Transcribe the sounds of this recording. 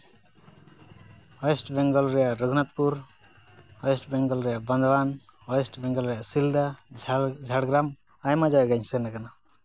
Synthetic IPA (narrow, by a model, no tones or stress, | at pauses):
ɔjɛsʈbɛŋɡɔlɾɛjaʔɾuɡnat̪̚puɾ | ɔjɔsʈbɛŋɡɔlɾɛjaʔbɔnd̪banɔjɔsʈbɛŋɡɔlɾɛjaʔsild̪a | d͡ʒʱaɽɡɾam | ajmad͡ʒawɛɡaɲsɛnakana